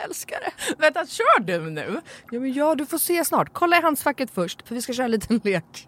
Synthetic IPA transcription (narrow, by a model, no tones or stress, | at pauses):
ɛlskaɾə̰vɛt̪at̪ɕœːɖɛmnʉ̟ːjɑːmɛnjɑːd̪ɵfoːseːsnɑ̰ːʈkʰɔlːajɾɦansfakːət̪fœʂʈfœɾvɪskaɕœːɾaliːt̪ʰənleːk